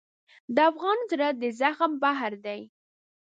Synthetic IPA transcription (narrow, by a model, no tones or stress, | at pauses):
d̪əafɣɑnzɾad̪əzaxmbaɦɾd̪aj